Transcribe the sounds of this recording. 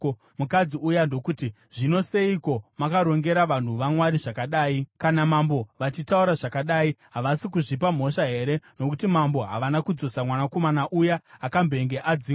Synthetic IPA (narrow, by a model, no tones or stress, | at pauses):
mukad͡ziujando̞kuti | ʐ̥ino̞se̞iko̞makaɾo̞ŋɡe̞ɾaʋan̤uʋamwaɾiʐakaɗaːikanamambo̞ʋat͡ʃitauɾaʐakaɗaːiɦaʋasikuʐipam̤o̞ʃaɦe̞ɾe̞no̞kutimambo̞ɦa̰ʋanakud͡zo̞samwanako̞manaʔujaːkambe̞ŋɡe̞ʔad͡zi